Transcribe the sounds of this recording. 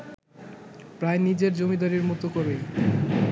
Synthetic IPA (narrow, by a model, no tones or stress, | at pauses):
pɾaenid͡ʑeɾd͡ʑomid̪aɾiɾmut̪okoɾej